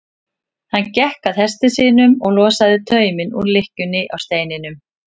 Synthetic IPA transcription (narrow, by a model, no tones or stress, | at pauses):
hanːcɛhkaðhɛst̪ɪsiːnʏmɔɣlɔːsaðɪt̪ʰœːɥmɪnṵɾlɪhcʏnːɪʔawst̪eːjnɪnʏm